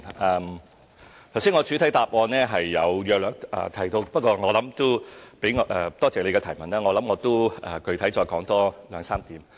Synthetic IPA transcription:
ɐː˧m | t̪ʰwsiː˥nŋɔː˨˧t͡ʃʰyː˨˧t̪ʰɐ˨˥jt̪aː˨p̚ʔɔː˧nnɛː˥ɦɐ˨jːɐ˨˧wjœː˧k̚lœː˨˧k̚ʔɐ̰ː˨˧t̪ʰɐ˨˩jt̪o˧wpɐ˥t̚kɔː˧ŋɔː˨˧lɐ˨˥mt̪o˥pe˨˥jŋː˧ʔɛː˧t̪ɔː˥t͡sɛː˨le˨˧jkɛ˧ɐ˨˩mɐ˨˩naː˥ŋɔː˨˧lɐ˨˥mŋɔː˨˧t̪o˥wɐː˧kɵ˧ɥt̪ʰɐ˨˥jt͡ʃɔː˧jkɔː˨˥ŋt̪ɔː˥lœː˨˧ŋsaː˥mt̪iː˨˥m

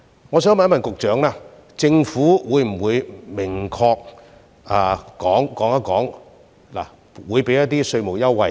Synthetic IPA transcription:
ŋɔː˨˧sœː˨˥ŋma˨˥nmɐ˨nkʊ˨k̚t͡ʃœː˨˥ŋlaː˥ | t͡sɪ˧ŋfuː˨˥wuː˨˧jm̩˨˩wuː˨˧jmɪ˨˩ŋkʰɔː˧k̚ | aː˨˧kɔː˨˥ŋkɔː˨˥ŋaː˧˥kɔː˨˥ŋ | la̰ː˨˩ | wuː˨˧jpe˨˥jɐ˥tt̪iː˥sɵ˧ɥmo˨˩wjɐ˥wwɐ˧

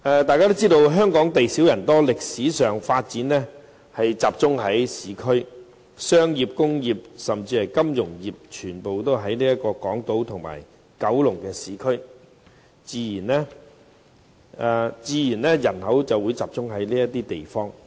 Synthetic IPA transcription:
ɛː˨˧t̪aː˨jkaː˥t̪o˥wt͡siː˥t̪o˧wɦœː˥ŋkɔː˨˥ŋt̪e˨jsi˨˥wjɐ˨˩nt̪ɔː˥lɪ˨k̚siː˨˥sœː˨ŋfaː˧t̚t͡siː˨˥nɛː˥ | hɐ˨jt͡saː˨p̚t͡sʊ˥ŋɦɐ˨˥jsiː˨˥kʰɵ˥ɥ | sœː˥ŋjiː˨p̚kʊ˥ŋjiː˨p̚sɐ˨mt͡siː˧hɐ˨jkɐ˥mjʊ˨˩ŋjiː˨p̚t͡ʃʰyː˨˩npo˨wt̪o˥wɦɐ˨˥jniː˥jɐ˥t̚kɔː˧kɔː˨˥ŋt̪o˨˥wt̪ʰʊ˨˩ŋma̰ː˨˩j | kɐ˨˥wlʊ˨˩ŋkɛː˧siː˨˥kʰɵ˥ɥ | t͡siː˧jiː˨˩nlɛː˥˧ | t͡siː˨˧jiː˨˩nlɛː˥jɐ˨˩nhɐ˨˥wt͡sɐ˨wːuː˨˧jt͡saː˨p̚t͡sʊ˥ŋɦɐ˨˥jliː˥jɐ˥t̪iː˥t̪e˨jfɔː˥ŋ

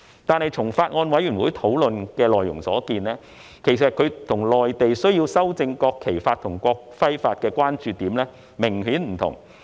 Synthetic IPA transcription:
t̪aː˨˧nhɐ˨jt͡sʰʊ˨˩ŋfaː˧t̚ŋɔː˧nwɐ˨˥jyː˨˩nwuː˨˥jt̪ʰo˨˥wlɵ˨nkɛː˧lɔː˨jːʊ˨˩ŋsɔ̰ː˨˥kiː˧nlɛː˥ | kʰe˨˩js̬ɐ˨t̚kʰɵ˨˧ɥt̪ʰʊ˨˩ŋlɔː˨jt̪e˨jsɵ˥ɥwjiː˧wsɐ˥wt͡sɪ˧ŋkɔː˧kʰe˨˩jfaː˧t̪ʰʊ˨˩ŋkʷɔː˧k̚fɐ˥jfaː˧t̚kɛː˧kʷwaː˥nt͡ʃyː˨˧t̪iː˨˥mlɛː˥ | mɪ˨˩ŋɦyː˨˥nm̩˨˩t̪ʰʊ̰˨˩ŋ

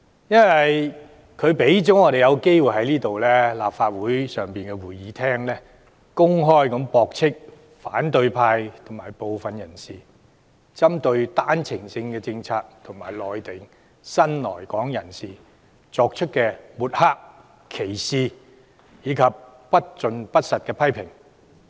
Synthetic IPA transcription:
jɐ˥nwɐ˨j | kʰɵ˨˧ɥpe˨˥jt͡sɔ˨˥ŋɔː˨˧ɾe˨jɐ˨˧wke˥jwu˨jɦɐ˨˥jliː˥t̪o˨wlɛ˥la̰ː˨pfaː˧t̚wuː˨˥jsœː˨ŋpiː˨nkɛ˧wuː˨˩jjiː˨˥t̪ʰɛː˥ŋlɛː˥ | kʊ˥ŋɦɔː˥jkɐ˨˥mpɔː˨˧k̚t͡sʰɪ˥k̚ | faː˨˥nt̪ɵ˧ɥpʰaː˧jt̪ʰʊ˨˩ŋmaː˨˩jpo˨wfɐ˨njɐ˨˩nsiː˨˩ | t͡sɐ˥mt̪ɵ˧ɥt̪aː˥nt͡sʰɪ˨˩ŋsɪ˧ŋkɛː˧t͡sɪ˧ŋt͡sʰaː˧k̚t̪ʰʊ˨˩ŋmaː˨˩jlɔː˨jt̪ɪ˨ŋ | sɐ˥nlɔː˨˩jkɔː˨˥ŋjɐ˨˩nsiː˨˩ | t͡sɔː˧k̚t͡ʃʰɵ˥t̚kɛː˧muː˨˩t̚haː˥k̚ | kʰːe˨˩jsiː˨ | jiː˨˧kʰɐ˨p̚pɐ˥t̚t͡ʃɵ˨˧npɐ˥t̚sɐ˨t̚kɛː˧pʰɐ˥jpʰɪ˨˩ŋ

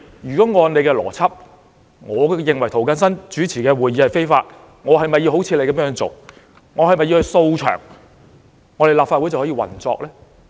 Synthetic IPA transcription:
jyː˨˩kɔː˨˥ŋɔː˨˧nne˨˧jkɛː˧lɔ̰ː˨˩t͡sʰɐ˥p̚ | ŋɔː˨˧jɪ˨ŋwɐ˨˩jt̪ʰo˨˩wkɐ˧nsɐ˥nt͡ʃyː˨˥t͡sʰiː˨˩kɛː˧wuː˨jiː˨˧˥hɐ˨˩jfe˥jfaː˧t̚ | ŋɔː˨˧ɦɐ˨jmɐ˨jːi˧wɦo˨˥wt͡sʰiː˧le˨˧jkɐ˨˦mjœː˧˥ŋt͡so̰˨˩w | ŋɔː˨˧hɐ˨jmɐ˨ji˧whjso˧wt͡ʃʰœ̰ː˨˩ŋ | ŋɔː˨˧le˨jlaː˨pfaː˧wu˨˥jt͡sɐ˨whɔː˨˥iː˧wɐ̰˨˩nt͡sɔ̰ː˧k̚lɛː˥

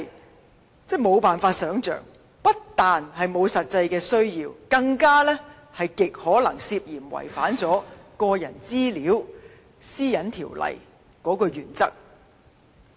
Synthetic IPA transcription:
t͡sɛː˥˩mo˨˧wpaː˨nfaː˧t̚sœː˨˥ŋt͡sœ̰ː˨˩ŋ | pɐ˥t̚t̪aː˨nhɐ˨jmo˨˧wsɐ˨t̚t͡sɐ˧jkɛː˧sɵ˥ɥjiː˧wkɐ˧ŋkaː˥lɛː˥ | hɐ˨jkɪ˨k̚hɔː˨˥lɐ˨˩ŋsiː˧p̚jiː˨˩mwɐ̰˨˩jfaː˨˥nt͡sɔː˨˥kɔː˧jɐ̰˨˩nt͡siː˥liː˨˥w | siː˥jɐ˨˥nt̪ʰḭː˨˩wlɐ̰˨˩j | kɔː˨˥kɔ˧jyː˨˩nt͡sɐ˥k̚

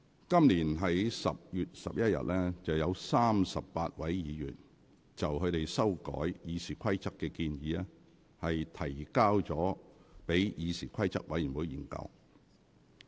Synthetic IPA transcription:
kɐ˥mliː˨˩nɦɐ˨˥jsɐ˨p̚jyː˨t̚sɐ̰˨p̚jɐ˥t̚jɐ̰˨t̚lɛː˥t͡sɐ˨wjɐ˨˧wsaː˥msɐ˨pːaː˧t̚wɐ˨˥jjiː˨˧jyː˨˩n | t͡sɐ˨wkʰɵ˨˧t̪e˨jsɐ˥wkɔ̰ː˨˥jjiː˨˧siː˨˩kʷʰɐ˥jt͡sɐ˥kːɛː˧kiː˧njiː˨˧ɛː˥ | hɐ˨jt̪ʰɐ˨˩jkaː˥wt͡sɔː˨˥pe˨˥jjiː˨˧siː˨˩kʷʰɐ˥jt͡sɐ̰˥k̚wɐ˨˥jy˨˩mwuː˨˧ji˨˩nkɐ̰˧w

